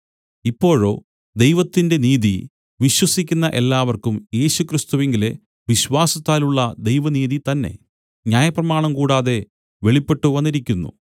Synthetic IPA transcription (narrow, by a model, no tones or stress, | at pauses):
ipːo̞ːɻo̞̰ː | d̪ejʋɐt̪ːinde̞niːði | ʋiɕwɐsikʲːunːɐʔe̞lːaːʋɐrkumje̞ːɕukrist̪uʋeŋɡile | ʋiɕwaːsɐt̪ːaːluɭːɐd̪e̞jʋɐniːðit̪ɐnːe̞̰ | ɲaːjɐprɐmaːɳɐmkuːɽaːðe̞ | ʋe̞ɭipːe̞ʈːuʋɐnːiɾikʲːunːṵ